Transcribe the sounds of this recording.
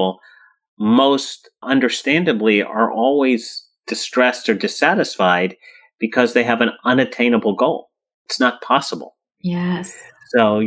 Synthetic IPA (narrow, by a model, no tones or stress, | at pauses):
l̩ˠ | moʊst | ʔʌ̃ndə˞stæ̃ndɨbliə̰˞ʔɔlˠwiz | d̥ɨstɹ̥ɛstə˞dɨsæɾɨsfaɪd̚ | b̥ɨkʰʌzðeɪɨvɨ̃nʌ̃nɨtʰẽɪ̃nəbl̩ˠɡoʊlˠ | ɪtsnət̚pʰɑsəbl̩ˠ | jɛssoʊ